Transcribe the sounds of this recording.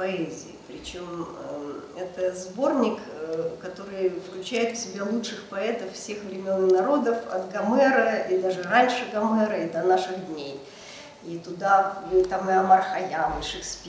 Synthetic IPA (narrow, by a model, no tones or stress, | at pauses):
pɐɛzʲɪ̰ɪpɾʲɪt͡ɕom | ɛt̪əzbo̞rnʲɪk | kɐt̪o̞ɾɨjfklʲʉt͡ɕæjɪt̪fsʲɪbʲalˠutʂɨxpɐɛt̪əfːsʲe̞xvɾʲɪmʲo̞nnɐɾo̞d̪əfɐ̰t̪ɡɐmɛɾəid̪aʐɨranʲʂɨɡɐmɛɾəid̪ɐnaʂɨɣd̪ʲnʲej | it̪ʊd̪aɨt̪amɨɐmarxɐjamɨʂɨksʲpʲ